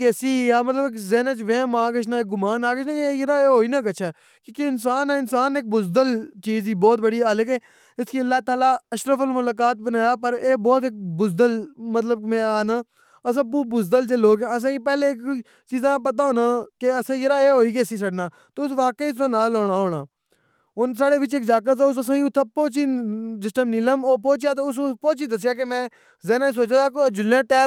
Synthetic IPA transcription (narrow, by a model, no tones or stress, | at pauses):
keːsiːjaːmət̪ləbɪkzɛːnət͡ʃʋẽːmãːkəʃʰnaːɪk̚ɡʊmaːnaːkəʃʰnãːejɪɾaːeːɦoːiːnaːkət͡ʃʰɛː | kõːkeɪnsaːnɛ̃ːɪnsaːnek̚bʊzd̪əlt͡ʃiːziːbɔːt̪̚bəɽiːaːləkeː | ɪskiːəlːaːt̪aːlaːəʃɾəfəlmʊlaːk̬aːt̪̚bənaːjaːpəɾeːbɔːt̪ɪk̚bʊzd̪əlmət̪̬ləb̚mɛ̃ːaːnãː | əs̬ãːbbʊzd̪əlt͡ʃeːloːɡɛːəs̬ãːipɛːlek | t͡ʃiːzãːpət̪̬aːɦoːnãːkeəsãːjəɾaːeːɦoːiːɡeːsiːs̬əɖnãː | t̪oːʊsʋaːkəiːãːnaːloːɽãːɦoːɽãː | ʊnsaːɽeːʋɪt͡ʃeːkd͡ʒaːk̬əs̬ãːʊs̬əsãːiʊt̪ʰːãːpoːt͡ʃiːsɪsʈəmnĩːləmoːpoːt͡ʃjaːt̪̬oːʊsũpoːt͡ʃiːd̪əs̬ɪjaːk̬emɛ̃ː | zɛːnaːis̬oːt͡ʃad̪aːkod͡ʒʊlãːʈɛː